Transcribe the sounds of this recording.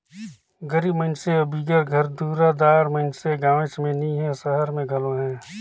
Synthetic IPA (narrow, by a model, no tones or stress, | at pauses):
ɡəɾiːbməɪnseɐbʱiɡəɾɡʱəɾd̪uːɾad̪aːɾmɐɪnseɡaːʋɪ̃t͡ʃmẽnĩɦɛ̃səɦəɾmẽɡʱɐlõɦɛ̃ː